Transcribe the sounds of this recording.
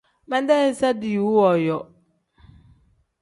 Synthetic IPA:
mɛ̃˦n˦dɛ˦ɪ˦sa˦dɪ˨wu˦wɔ˨jɔ˨

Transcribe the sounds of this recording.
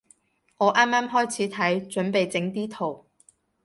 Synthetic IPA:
ŋɔː˨˧ʔaː˥mːaː˥mɦɔː˥jt͡sʰiː˨˥t̪ʰɐ˨˥jt͡ʃɵ˨˥npe˨jt͡sɪ˨˥ŋt̪iː˥t̪ʰo˨˩w

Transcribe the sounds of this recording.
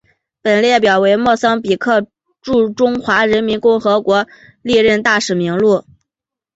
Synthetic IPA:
pə˨˩nljɛ˥˩p̬jɑ˨˩ʊwe˧˥ɪmwɔ˥˩sɑ˥ŋpi˨˩kʰɤ˥˧ | ʈ͡ʂu˥˩ʈ͡ʂʊ˥ŋxwa˧˥ɻə˧˥nmi˧˥nkʊ˥˩ŋxɤ˧˥kwɔ˧˥ | li˥˧ɻə˥˧nt̪a˥˩ʂɻ̩˨˩mi˧˥ŋlu˥˩

